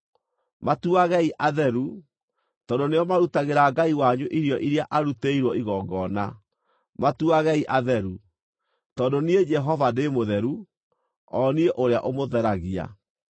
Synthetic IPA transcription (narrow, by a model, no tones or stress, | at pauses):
matuaɣɛiʔaðɛɾu | tɔːndoneɔmaɾutaɣeɾaɡaiwaɲoʔiɾjɔʔiɾiaʔaɾuteiɾwɔiɣɔːɡɔna | matuaɣɛiʔaðɛɾu | tɔːndonied͡ʒɛɦɔvademoðɛɾu | ɔnieʔoɾea̰ʔomoðɛɾaɣia̰